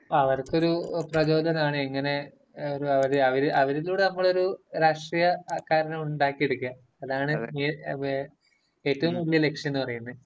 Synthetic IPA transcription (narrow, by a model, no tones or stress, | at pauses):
ɐʋɐrkːo̞ɾuprɐd͡ʑo̞ːlɐnaːɳɨeŋːɐne̞ | oɾuɐʋɐɾɨɐʋɐɾiʔɐʋɐɾiluːɽe̞nɐmːɐɭo̞ɾuɾaːʂʈrijɐkaːɾɐnɐmuɳɖaːkːieɽukːuɐː | ðaːɳɨi | e̞ːtːɐʋumːulːiɐle̞kʂjɐnːɨpɐrɐjunːɐð